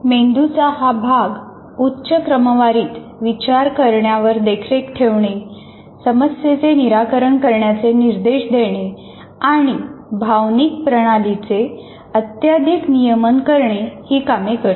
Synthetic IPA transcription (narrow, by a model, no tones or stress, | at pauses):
mend̪ut͡saɦabʱaɡ | utːɕəkɾəməʋaɾiːt̪ʋit͡ɕaɾkəɾɳjaʋəɾd̪ekʰɾekʈʰeʋɳe | səməsjet͡seniɾakəɾəɳkəɾɳjat͡seniɾd̪eɕd̪ʱeɽ̃e | aɽ̃ibʱaʋnik̚pɾəɽ̃alit͡se | ət̪jad̪ʱiknijəmənkəɾɳehiːkamekəɾt̪